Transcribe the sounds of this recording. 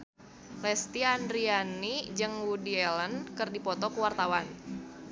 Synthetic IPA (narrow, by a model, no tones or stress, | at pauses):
lɛst̪iandɾianid͡ʒɨŋwudiɛlənkɨrdipɔt̪ɔkəwart̪awan